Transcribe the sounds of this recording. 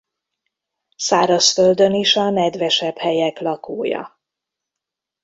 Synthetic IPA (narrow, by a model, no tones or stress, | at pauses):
saːɾɒsføld̪øniʃɒnɛd̪vɛʃɛphɛjɛklɒkoːjɒ̰